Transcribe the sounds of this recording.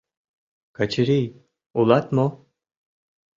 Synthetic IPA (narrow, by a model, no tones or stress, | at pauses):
kat͡ʃiɾij | ulˠat̪mo